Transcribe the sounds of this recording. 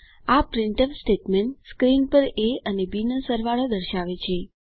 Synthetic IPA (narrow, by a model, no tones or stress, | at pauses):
apɾɪɳʈəʋsʈeʈmeɳʈskɾinpəɾeənebinəsəɾʋaɭod̪əɾʃaʋet͡ʃʰe